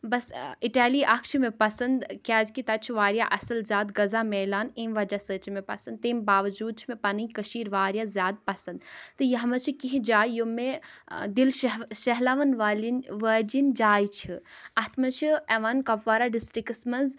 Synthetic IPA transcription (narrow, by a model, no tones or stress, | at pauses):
bɐsiʈaːliːʔɐkʰʃʰimẽpɐsɐnd̪kʲaːzkit̪ɐt͡ʃʰiʋaːɾʲjaʔɐsɨlzʲjaːd̪ɡɐzaːmeːlaːnẽːmʋɐd͡ʒasəːt͡ʃmẽpɐsɐnd̪̚t̪eːmbaːʋɐd͡ʒuːd̪̚t͡ʃʰimẽpɐnɨikɐʃiːɾʋaːɾjazʲjaːd̪̚pɐsɐnd̪t̪ɨjɐɦɐmɐt͡ʃʰikiɦĩd͡ʒaːjjomed̪ilʃɐɦlaʋɐnʋaːlinʋəːd͡ʒind͡ʒaːjt͡ʃʰiɐt̪ʰmɐt͡ʃʰiɐʋankɐpʋaːɾaɖisʈɾikɨsmɐnz